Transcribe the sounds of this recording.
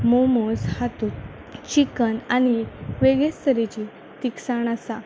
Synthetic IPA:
momoshat̪u | t͡ɕikənañiʋeɡest̪ʰəɾet͡ɕi | t̪iksaɳasa

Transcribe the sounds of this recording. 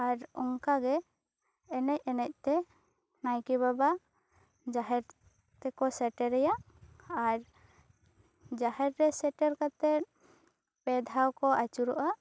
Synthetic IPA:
aɾɔŋkaɡɛː | nɛc̚ˀɛnɛc̚t̪ɛ | najkibaba | d͡ʒaɦɛɾ | t̪ɛkɔsɛʈɛɾɛjaʔ | aɾ | d͡ʒaɦɛɾɾɛsɛʈɛɾkat̪ɛt̪̚ | pɛd̪ʱawkɔat͡ʃuɾɔʔaʔ

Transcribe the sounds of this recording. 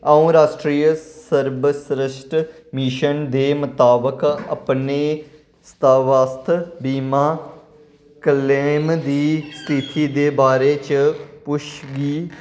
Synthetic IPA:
aũːɾaːsʈɾiːjəsəɾbəsɾɪʃʈ | miʃənd̪eːmət̪aːbəkə̰pneː | st̪aːʋaːst̪ʰbiːmaː | kəleːmd̪iːst̪ʰit̪iːd̪eːbaːɾeːt͡ʃpʊʃɡiː

